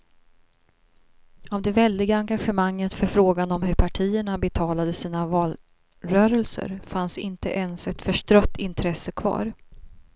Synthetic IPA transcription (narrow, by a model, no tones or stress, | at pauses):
avd̪ɛvɛld̪ɪɡaaŋɡaɧəmaŋːət̪fœɾfɾoːɡanɔmɦɵɾpʰaʈʰiːəɳabɛt̪ʰɑːlad̪əsiːnavɑːl | ɾœːɾəlsə̰ɾfansɪnt̪əʔɛnsɛt̪fœʂʈɾœt̪ːɪnt̪ʰɾɛsːəkʰvɑ̰ːɾ